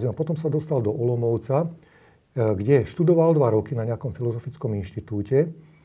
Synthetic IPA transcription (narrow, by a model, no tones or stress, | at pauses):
zimapɔt̪ɔmsad̪ɔst̪ald̪ɔʔɔlɔmɔʊt͡sa | ɡɟɛʃt̪ud̪ɔʋald̪ʋaɾɔkinaɲɪakɔmfilɔzɔfit͡skɔminʃt̪it̪uːcɛ